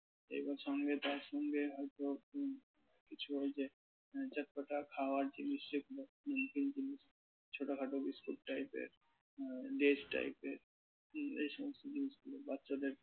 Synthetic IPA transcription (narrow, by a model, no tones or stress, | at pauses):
ḛjbɔʃɔŋɡet̪aɾʃɔŋɡeɦɔjt̪o | kit͡ɕʰuɦojd͡ʑe | d͡ʑat̪̚kaʈakʰaoaɾd͡ʑiniʃeɡulo | kind͡ʑiniʃ | t͡ɕʰoʈakʰaʈobiskuʈ̚ʈajpḛɾ | ɖed͡ʑʈa̰jpeɾ | ḛjʃɔmost̪od͡ʑiniʃɡulobatːod̪eɾ